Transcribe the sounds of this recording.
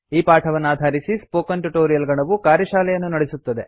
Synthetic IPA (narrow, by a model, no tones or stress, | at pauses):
iːpaːʈʰɐʋɐnːaːd̪ʱaːɾisispoːkɐɳʈuʈoːɾijɐlɡɐɳɐʋukaːɾjɐʃaːlɛjɐnːunɐɽesut̪ːɐd̪e̞